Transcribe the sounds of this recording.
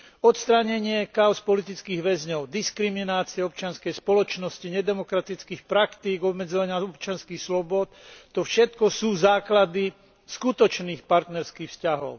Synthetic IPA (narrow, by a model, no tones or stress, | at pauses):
ɔt̪st̪ɾaɲɛɲɪɛkaʊspɔlit̪it͡skiːɣʋɛzɲɔʊd̪iskɾiminaːt͡siɛɔp̚t͡ʃɪanskɛjspɔlɔt͡ʃnɔsciɲɛd̪ɛmɔkɾat̪it͡skiːxpɾakt̪iːɡɔbmɛd͡zɔʋaɲɪaɔpt͡ʃɪanskixslɔbʊɔt̪ːɔfʃɛt̪kɔsuːzaːklad̪i | skut̪ɔt͡ʃniːxpaɾt̪nɛɾskiːxfscaɦɔ̰ʊ